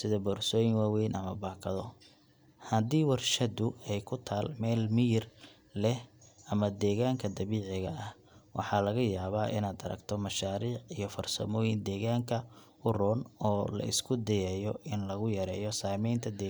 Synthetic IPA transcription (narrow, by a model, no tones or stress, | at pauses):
sɪðɐbɔːrsɔːjɪŋwaːwɛjnʔɐmɐbaːkʰɐðɔ | hɐd̪iːwɑrʃɐd̪ʊɛjkʰʊt̪ʰaːlmɛːlmiɪr | lɛhɐmɐd̪ɛːɣaːŋkʰɐd̪ɐβiːʕɪɣɐɐh | wʔɑ̰ħɑːlɐɣɐjaːβaːʔɪ̰naːd̪ɐ̰ɾɐ̰ɡt̪ʰɔmɐʃaːɾiːʕijɔfɐrsɐ̰mɔːjɪnd̪ɛːɣaːŋkʰɐ | ʊrɔːnɔːlɐ̰ʔɪ̰skʰʊd̪ɛjɛːjɔʔɪnlɐɣʊjɐɾɛ̰ːjɔsaːmɛjnt̪ʰɐd̪ɛː